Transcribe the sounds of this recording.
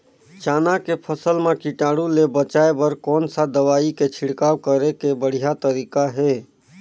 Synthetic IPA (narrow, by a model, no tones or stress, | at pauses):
t͡ʃaːnakepʰəsəlmekiʈaɽulebət͡ʃaebəɾkɔːnsad̪əʋaiket͡ʃʰɪɽkaːwkəɾekebəɽ̤ijat̪əɾikaɦe